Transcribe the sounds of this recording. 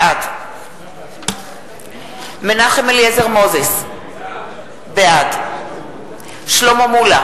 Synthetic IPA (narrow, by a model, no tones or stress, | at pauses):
ad | menaχemeljezeʁmo̞zes | bead | ʃlomomula